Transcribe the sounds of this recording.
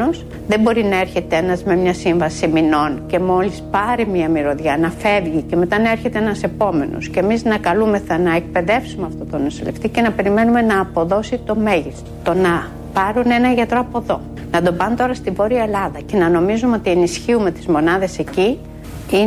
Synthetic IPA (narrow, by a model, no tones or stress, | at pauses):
os | ðe̞bo̞ɾinɐe̞ɾçe̞t̪ee̞nɐzme̞mɲɐsiɱvɐsimino̞nce̞mo̞lispɐɾimiɐmiɾo̞ðʝɐnɐfe̞vʝice̞me̞t̪ɐnɐe̞ɾçet̪eenɐse̞po̞me̞no̰scemiznɐkɐlume̞θɐnɐek̚pe̞ðe̞fsumeɐft̪o̞t̪o̞nosḭleft̪ice̞nɐpe̞ɾime̞nume̞nɐːpo̞ðo̞sit̪o̞me̞ʝist̪ot̪o̞nɐ | pɐɾune̞nɐʝɐt̪ɾo̞ɐpo̞ðo̞ | nɐd̪o̞bɐnt̪o̞ɾɐst̪ivo̞ɾiɐe̞lɐðɐce̞nɐno̞mizumeo̞t̪ie̞nisçiume̞t̪izmo̞nɐðe̞se̞ci | i